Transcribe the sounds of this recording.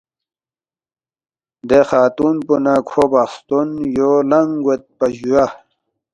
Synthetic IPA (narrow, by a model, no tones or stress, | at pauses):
d̪exaːt̪unpunakʰobaxst̪unjolaŋɡwet̪̚pɐʑuja